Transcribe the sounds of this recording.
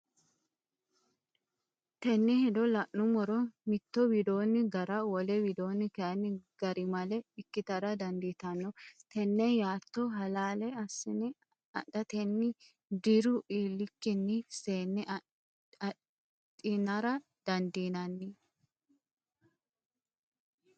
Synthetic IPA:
t̪ɛnːɪhɛd̪ɔlɐʔːʊmɔɾɔmɪt̪ːɔwɪd̪o̞ːnːɪɡɐɾɐwɔlɛwɪd̪o̞ːnːɪkɛʔɐnːɪɡ̥ɐɾɪmɐlɛɪkːɪt̪ɐɾɐd̪ɐnd̪it̪ɐnːɔt̪ɛnːɛjaːt̪ːɔɦɐlaːlɛɐsːɪnɪ | ɐ̰ɗːɐt̪ɛnːɪ | d̪ɪɾʊʔiːlːɪkːɪnːɪseːnːɪʔ | ɐ | t̪ʼɪnɐɾɐ | d̪̥ɐnd̪iːnɐnːɪ

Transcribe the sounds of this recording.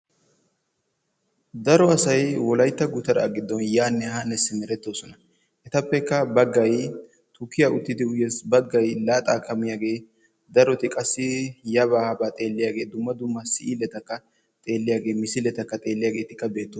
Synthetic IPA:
d̪ɐɾɔɐsɐjwɔlɐjt̪ːɐɡʊt̪ɐɾɐ̰ɡɪd̪ːɔnjaːnːɛhɐnːɛsɪmɛɾɛt̪ːo̞ːsɔnɐ | ʔɛt̪ɐpːɛkːɐbɐɡːɐj | t̪ʰʊkːɪjaʔʊt̪ːɪd̪ɪʊjɛsbɐɡːɐjlaːt̪ʼaːkʰʼːɐmɪjaːɡe̞ː | d̪ɐɾɔt̪ɪkʼɐsːɪjɐbaːhɐbaːt̪ʼe̞ːlːɪjaːɡe̞ːd̪ʊmːɐd̪ʊmːɐsɪʔilɛt̪ɐkːɐ | t̪ʼe̞ːlːɪjaːɡe̞ːmɪsɪlɛt̪ɐkːɐt̪ʼe̞ːlːɪjaːɡe̞ːt̪ɪkːɐbe̞ːt̪ːoː

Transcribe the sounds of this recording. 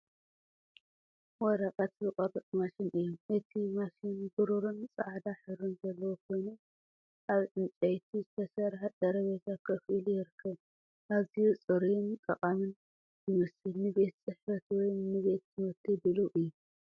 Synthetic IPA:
wɔɾɐkʼɐt̪zɨqʼɐrɨt̪ʼmaʃinʔɨjːɔmʔɨt̪ʰimaʃinɡɨɾuɾɨnt͡sʼaʕd̪aħɨɾunzɐlːɐwokʰo̞jnɐ | ʔaβt͡sʼɨnt͡sʼɐjt̪ʰizɨt̪ʰɐsɐɾħad̪ɐɾɐβet̪ʰakʰɐfʔilujɪɾɨkʰːɐβ | ʔaβzijut͡sʼɨɾint̪ʼɐ̰χʼamɨn | ɨmɐsɨnɨβe̞t̪sʼɨħfɐt̪wɔjnɨβe̞t̪ːɨmɐt̪ʰːibɨluʔɨjːu

